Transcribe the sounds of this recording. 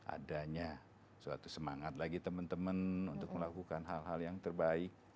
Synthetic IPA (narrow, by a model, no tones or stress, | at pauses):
ʔa̰daɲa | sua̰t̪usəmaŋat̪̚laɡit̪əmənt̪əmənunt̪ʊk̚məlakukanɦalɦaljaŋt̪ərbaɪk̚